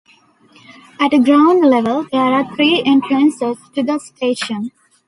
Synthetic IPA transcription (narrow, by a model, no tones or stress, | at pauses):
æʈəɡɾãʊ̃ɳɖleʋəld̪eːɾaːɾt̪ʰɾiːʔẽɳʈɾə̃nsesʈud̪əsʈeːʃə̃n